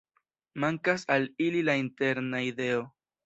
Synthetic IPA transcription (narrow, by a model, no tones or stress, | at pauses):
maŋkasalililainte̞ɾnaide̞o̞